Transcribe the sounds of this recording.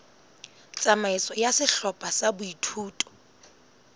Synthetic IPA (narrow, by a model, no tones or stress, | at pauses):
t͡sʼamaɪsɔjasɪɬɔpʼasabʊitʰuːtʼɔ̥